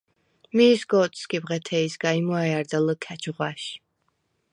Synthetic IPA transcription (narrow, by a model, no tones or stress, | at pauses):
misɡɔt̪skibʁɛt̪ʰɛisɡaimɔɛaɾd̪aləkʰɛt͡ʃʰʁwaʃ